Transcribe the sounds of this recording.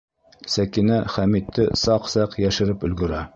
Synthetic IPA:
sækinæχæmit̪ʰːɘsɑqsɑqjæʃɘ̆ɾɘpɵ̆lɡɵ̆ɾæ

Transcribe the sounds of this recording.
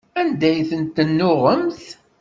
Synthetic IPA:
ænd̪æjθənt̪ːənːʊʁəmθ

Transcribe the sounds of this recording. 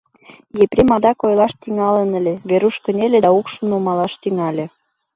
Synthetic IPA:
jeprʲimɑd̪ɑkojlɑʃt̪iŋɑlənə̆lʲeβeɾuʃkə̆nʲelʲed̪ɑukʃə̆numɑlɑʃt̪yŋɑlʲe

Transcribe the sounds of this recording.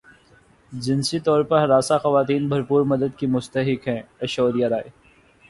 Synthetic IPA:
d͡ʒɪnsit̪ɔːɾpɐɾɦɾaːsaxɐʋaːt̪iːnbʱɐɾpuːɾmɐd̪əd̪kimʊst̪əɦɪkɦɛ̃ːɐʃoːɾijaɾaːe

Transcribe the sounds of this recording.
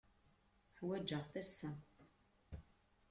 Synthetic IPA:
ħwæd͡ʒːəʁθæsːæ

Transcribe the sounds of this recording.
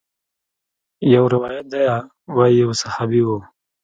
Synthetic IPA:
jawɾɪwɑjat̪̚d̪aja | waijawsahabiwu

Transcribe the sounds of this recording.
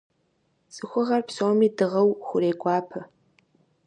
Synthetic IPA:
sʼɨxʷʊʁɐrpsoːmiːdɨʁɐwxʷʊɾeːɡʷʼɑːpʰɐ

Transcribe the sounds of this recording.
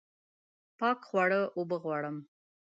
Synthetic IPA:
pɑkxwɑɽəʔobəɣwɑɽəm

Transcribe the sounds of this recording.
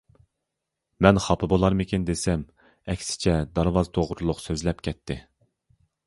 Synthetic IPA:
mɛnχɑpʰɨbolˠɑɾmɪkʲind̪esɛm | ɛkʲsɪ̥t͡ʃʰɛd̪ɑɾwɑzt̪ʰoʁɾulˠʊqsøzlɛpkʲʰɛt̪ʰːɪ

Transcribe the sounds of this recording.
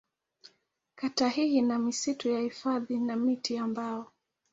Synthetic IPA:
katahiinamisitujahifaðinamitiambaɔ

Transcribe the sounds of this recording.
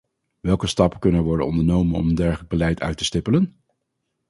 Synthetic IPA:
ʋɛlˠkəstɑpəkɵnənɛɹʋɔɹdə̰nɔ̰ndəɹnowmənɔ̰məndɛɹχələɡ̚bəlɛjtʰœ̰ɥtə̥stɪpələn

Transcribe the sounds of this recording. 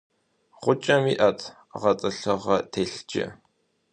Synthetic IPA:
ʁʷʊt͡ʃʼɐmiːʔɐtʰ | ʁɐt͡sʼɨɬɨʁɐtʰeːɬd͡ʒʼɪ̰

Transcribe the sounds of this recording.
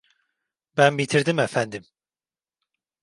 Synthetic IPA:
bænbit̪ʰiɾd̪imɛfænd̪im

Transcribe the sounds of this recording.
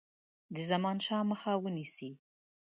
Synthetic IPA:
d̪əzamɑnʃɑməxawənisi

